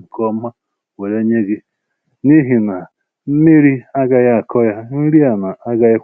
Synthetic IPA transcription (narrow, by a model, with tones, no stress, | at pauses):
ŋ̩˨kɔ˦ma˦ | we˨ɾe˦ɲe˦ɡe˦ | ni˦ɦi˨na˨ | m̩˦mi˦ɾi˦a˦ɡa˦ja˦˨kɔ˦ja˦mi˦ɾi˦a˨na˨a˦ɡa˦je˦